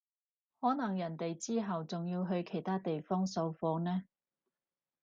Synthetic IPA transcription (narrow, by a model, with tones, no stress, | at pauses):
hɔː˨˥nɐ˨˩ŋjɐ˨˩nt̪e˨jt͡siː˥ɦɐ˨wt͡sʊ˨ŋjiː˧wɦɵ˧ɥkʰe˨˩jt̪ʰaː˥t̪e˨jfɔː˥ŋso˧wfɔː˧˥nɛː˥